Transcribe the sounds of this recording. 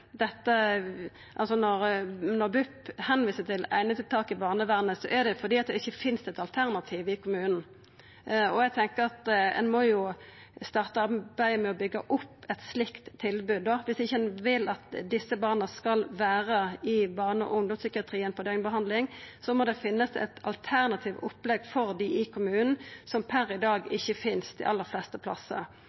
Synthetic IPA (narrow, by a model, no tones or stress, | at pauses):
d̪ɛt̪ːə | ʔɑ̰lsɔnɔɾnɔʁbʉphɛnʋiːsət̪ʰɪlæ̰ɪnət̪ɪlt̪ʰɑːkɪbɑːʁnəʋæːʁnəsɔʔɛd̪ɛfɔd̪iːɑt̪̚d̪ɛɪçːəfɪnst̪ɛt̪ɑlt̪ʰæʁnɑt̪ʰiːʋɪkʰʊmʉːnn̩ | ɔjæɡt̪ʰɛŋkəɾɑt̪ɛ̰nmɔjʊ | st̪ɑːʁt̪əɑbæɪəmɛɔbʏɡːəʔʊpːɛt̪slɪkt̪ʰːɪlbʉːd̪ːɔʋɪsɪçːəɛnʋɪlɑt̪d̪ɪsːəbɑːʁnəskɑlʋæːʁəɪbɑːʁnəɔ̰ʔʊŋd̪ʊmsʏkɪɑt̪ʰʁiːɛnpʰɔd̪eːŋbəɦɑnd̪lɪŋsɔmɔd̪ɛfɪnːəsɛ̰t̪ʰɑ̰lt̪ʰæʁnɑt̪ʰiːʋʊpːlɛɡfɔɾd̪ɪʔɪkʰʊmʉːnn̩sɔmpʰæɾɪd̪ɑːɡɪçːəfɪnst̪ʰɪ̰ʔɑlːəɾflɛst̪əpʰlɑ̰sːə̰